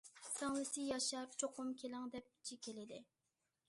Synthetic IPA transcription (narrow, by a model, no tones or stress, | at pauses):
sʰæŋlˠɨsɪjɑʃɑɾt͡ʃʰoqʊmkʲʰelɪŋd̪ɛp̚t͡ʃʰikʲʰelɪd̪ɪ